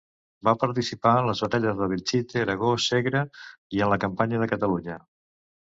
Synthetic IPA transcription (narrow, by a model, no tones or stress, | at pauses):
bapəɾt̪isipaənləzβət̪aʎəzðəβit͡ʃit̪eːɾəɣ̞osɛɣɾəiənləkəmpaɲəðəkət̪əluɲə